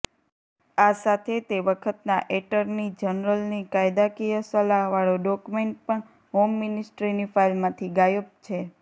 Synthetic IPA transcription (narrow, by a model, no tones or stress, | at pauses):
asat̪ʰet̪eʋəkʰət̪naʔeʈəɾnid͡ʒənɾəlnikajd̪akijəsəlaɦʋaɭoɖɔkumeɳʈ̚pəɳ | ɦomːinɪsʈɾinifailmãt̪ʰiɡajəp̚t͡ʃʰe